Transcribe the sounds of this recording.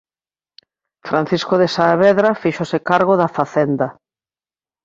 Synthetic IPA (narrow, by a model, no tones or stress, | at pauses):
fɾan̟θiskoðesaːβɛðɾafiʃosɪkaɾɣoðafaθɛnd̪a